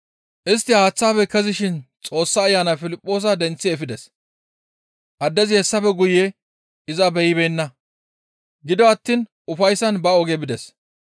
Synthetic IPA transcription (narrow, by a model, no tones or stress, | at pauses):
ʔɪs̬t̪ːɪhaːt͡sːaːfɛkɛzɪʃɪnt͡sʼo̞ːsːɐːjːaːnafɪlɪpʼːo̞ːs̬ɐd̪ɛnt͡sːɪɛfɪd̪ɛs | ʔɐd̪ːɛzɪhɛsːɐfɛɡʊje | ɪzɐbɛjɪbeːnːɐ | ɡɪd̪ɔɐt̪ːiːn | ʊfɐjsːɐnbɐɔɡɛbɪd̪ɛs